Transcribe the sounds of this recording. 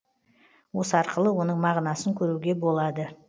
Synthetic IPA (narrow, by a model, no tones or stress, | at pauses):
wo̞səɑɾqəlˠəwo̞nəɴmɑʁnɑsəŋkʲʰɵɾuɡʲe̞bo̞lˠɑd̪ə